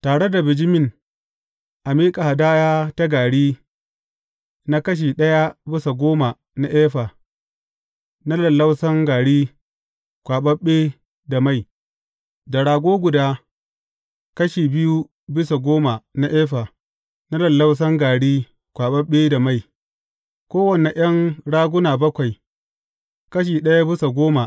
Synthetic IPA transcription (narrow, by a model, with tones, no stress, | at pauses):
taː˨ɽe˦da˨bɪ˨d͡ʒɪ˦mɪ˦ŋ | ʔa˨miː˦kʼa˨ha˨daː˦jaː˦ta˦ɡaː˨ɽiː˦ | na˦kɐ˦ʃ̬iː˨ɗɐ˦ja˦bɪ˦sa˨ɡʷoː˦ma˨ | na˦ʔeː˦ɸa˨ | na˦lɐ˨lːa˦wsɐ˦ŋɡaː˨ɽiː˦ | kʷaː˨ɓɐ˦ɓeː˦ | da˨ma˦˨j | da˨ɽaː˨ɡʷoː˦ɡʷʊ˨daː˦ | kɐ˦ʃiː˨bɪ˦ju˦ | bɪ˦sa˨ɡʷoː˦ma˨na˦ʔɛː˦ɸa˨ | na˦lɐ˨lːa˦ws̬ɐ˦ŋɡaː˨ɽiː˦ | kʷaː˨ɓɐ˦ɓeː˦da˨ma˦˨j | kʷoː˦wɐ˨ne˨ʔj̰ɐ˦ŋɽaː˦ɡʷʊ˦naː˨bɐ˦kʷa˨j | kɐ˦ʃ̬iː˨ɗɐ˦ja˦bɪ˦sa˨ɡʷoː˦ma˨